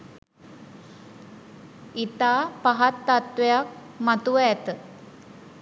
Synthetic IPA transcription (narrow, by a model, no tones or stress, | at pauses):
it̪aːpaɦat̪ːat̪ʋejak̚ | mat̪uʋəɛt̪ə